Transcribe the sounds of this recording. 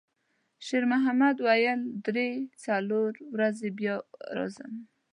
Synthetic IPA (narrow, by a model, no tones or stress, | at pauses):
ʃeɾmʊɦamad̪wajəld̪ɾet͡saloɾwɾazebjɑɾɑ̰zə̰m